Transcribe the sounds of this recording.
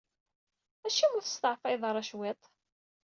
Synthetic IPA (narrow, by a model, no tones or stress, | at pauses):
æʃiwəθə̥st̪əʕfæjðˤɾˤɑʃwet̪ˤ